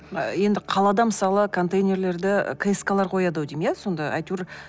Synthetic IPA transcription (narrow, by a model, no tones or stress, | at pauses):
əje̞nd̪ɪqʰɑlˠɑd̪ɑməsɑlˠəkʰo̞nt̪ejnʲe̞ɾle̞ɾd̪ɪ̰kʰeskalˠɑɾqʰo̞jɑd̪ɑwd̪emjeso̞nd̪ɑa̰jt̪uɾ